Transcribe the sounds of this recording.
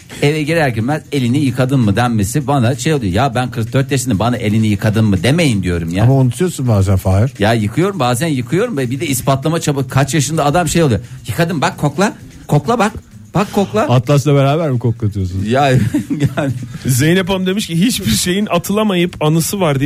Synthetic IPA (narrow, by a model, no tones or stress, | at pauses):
evɛɟiɾæɾcinbæne̞lʲinijɯkʰad̪ɯnmɯd̪ænmesibanaʃe̞jolˠujo̰jabænkʰɯɾk̚d̪øɾt̪̚ːeʃinibanaʔe̞lʲinijɯkʰad̪ɯnmɯd̪eme̞jind̪ijo̞ɾumjaamaunut̪ʰujo̞ɾsunbaːzænfaːiɾjajɯkʰɯjo̞ɾumbaːzænjɯkʰɯjo̞ɾumvɛbid̪ɛispat̪lˠamat͡ʃʰabɯkʰat͡ʃjaʃɯnd̪aːd̪amʃejolˠujjɯkʰad̪ɯmbakʰːo̞klˠa | kʰːo̞klˠabak | b̥akʰːo̞klˠaat̪lˠaslˠabeɾaːbæɾmikʰoklˠat̪ʰɯjos̬unjajjanʲzejinep̬amd̪e̞miʃciɦit͡ʃbiɾʃe̞jinat̪ʰɯlˠamajɯpʰanɯsɯvaɾd̪i